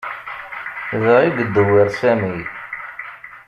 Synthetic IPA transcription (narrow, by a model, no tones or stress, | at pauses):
ðəʁiɡəd̪ːəwiɾsæmi